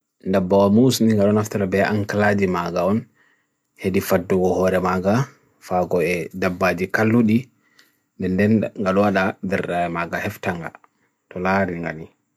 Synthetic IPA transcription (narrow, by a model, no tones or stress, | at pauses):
ndabːawamusniŋɡaɗɔnaftaɾabɛʔaŋkalad͡ʒimaɡaɔn | hedifadːuɡɔhɔɾɛmaɡa | faɡɔɛdabːad͡ʒikalːuɗi | ndɛndɛnŋɡaɗɔwaɗadɛɾɗaɛmaɡahɛftaŋɡa̰ | tɔlaɾiŋɡa̰ni